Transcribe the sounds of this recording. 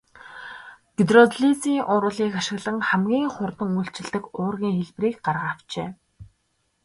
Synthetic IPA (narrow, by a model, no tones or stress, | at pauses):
ɡ̥it̪rɔt̪ɮit͡siːŋʔʊɾʊːɮiːkaʃɪ̆ɣɮə̆ŋχæmɡʲiːŋχʊrt̪ə̆ŋujɬt͡ɕɪ̆ɮt̪ɘ̆kʊːrɣʲiːŋxeɮpriːkɢarʁaːw̥t͡ɕeː